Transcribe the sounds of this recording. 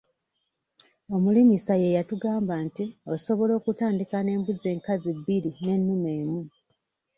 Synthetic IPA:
o̞mulimisaje̞jatuɡaːmbantioso̞βo̞lo̞ːkutaːndikane̞ːmbuzeːŋkazibːiɾine̞nːume̞ːmu

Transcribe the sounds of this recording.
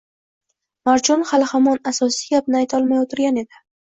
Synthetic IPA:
maɾt͡ʃʰɒnhalˠhamɒnasɒsɪɡʲap̚nɪajt̪ʰɒlˠmajot̪ʰɪɾɡʲane̞d̪ɪ

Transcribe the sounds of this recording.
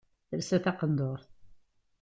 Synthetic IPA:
θəɾsæθɑqənd̪oɾˤθ

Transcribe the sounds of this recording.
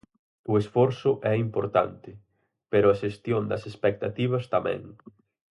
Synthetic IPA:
ʊesfɔɾsʊʔɛimpoɾt̪a̰nt̪ɪ | peɾʊɐʃest̪jond̪ɐ̰sespek̚t̪at̪iβ̞ɐst̪amɛ̰̃ŋ

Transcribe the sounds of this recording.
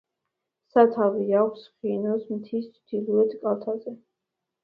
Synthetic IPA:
sat̪ʰaviakʷʰsχinɔsmt̪ʰist̪sʰd̪̥ilˠuɛt̪ʰʼkʼalt̪ʰazɛ

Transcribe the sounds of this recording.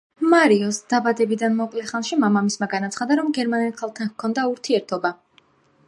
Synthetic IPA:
maɾiɔsd̪̥abad̪ɛbid̪anmɔkʼlɛχanʃimamamismaɡanat̪sχad̪aɾɔmɡɛɾmanilˠχalˠt̪ʰankʰɔnd̪auɾt̪ʰiɛɾt̪ʰɔba

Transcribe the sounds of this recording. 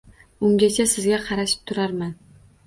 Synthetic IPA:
ʊŋɡʲat͡ʃʲʰasɪzɡʲaqʰɑɾaʃɪ̥p̚t̪ʰʊɾaɾman

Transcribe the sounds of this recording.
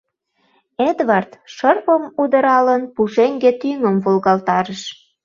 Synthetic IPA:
ed̪vɑrt̪ʃərpəmud̪əɾɑlənpuʃeŋɡet̪yŋəmvolɣɑlt̪ɑɾəʃ

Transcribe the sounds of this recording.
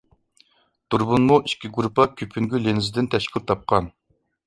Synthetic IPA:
d̪̥uɾbunmuʔiʃkʲiɡuɾupɑkʲʰypʰyŋɡʲylenɪzɪd̪ɪnt̪ʰɛʃkʲiɾt̪ʰɑp̚qɑn

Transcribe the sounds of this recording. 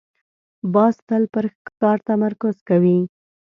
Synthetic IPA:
bɑst̪əlpəɾxkɑɾt̪amaɾkʊzkawi

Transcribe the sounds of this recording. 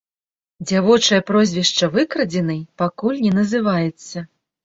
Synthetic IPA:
d͡zʲavɔt͡ʂɐjɐpɾɔzʲvʲɛʂt͡ʂɐvɨkɾɐd͡zʲɛnɨjpakulʲnʲɛnɐzɨvajɛt̪sːɐ

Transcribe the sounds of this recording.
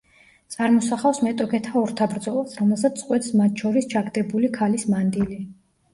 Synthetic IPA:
t̪sʼaɾmɔsaχafsmɛt̪ʼɔkʰɛt̪ʰaɔɾt̪ʰabɾd̪zɔlˠasɾɔmɛlˠsat̪sʼqʼwɛt̪ʰsmat̪̚ʰʃɔɾist͡ʃʰaɡd̪ɛbulikʰalismand̪ili

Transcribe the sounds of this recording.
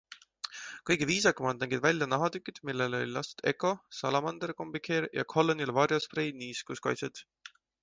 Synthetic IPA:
kɤjɡ̥eviːs̬ɑkːɑmɑnd̪næŋɡid̪vælʲjɑnɑɦɑd̪ykˑːid̪̥milːelo̞̰lʲlɑst̪u̥d̪̥e̞kːo̞sɑlɑmɑnd̪eɾko̞mbikʰeɾjɑ̰kʰo̞lːonilvɑɾjosprejniːskuskɑ̰jt̪set̪

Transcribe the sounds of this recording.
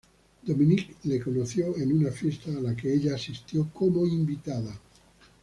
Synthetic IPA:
d̪omĩniklekonoθjoenunafje̞st̪aːlakeeʎaːsist̪jokomoimbit̪aða

